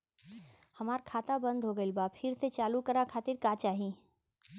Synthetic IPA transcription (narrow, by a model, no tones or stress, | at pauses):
hɐmaːɾkʰaːt̪abɐ̃nd̪ʱɦoɡəɪlbaːbfʰɪɾset͡ʃaːlukɐɾakʰaːt̪ɪɾkaːt͡ʃaːɦĩ